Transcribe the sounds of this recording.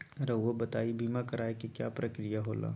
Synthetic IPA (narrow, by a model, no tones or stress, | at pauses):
ɾɐobɐt̪aːibʱimakɐɾaːekikjaːpɾɐkɾijaɦoːla̰ː